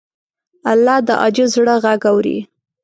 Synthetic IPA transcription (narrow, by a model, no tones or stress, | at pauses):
alːɑd̪əʔɑ̰d͡ʒɪzɽəɣaɡawɾḭ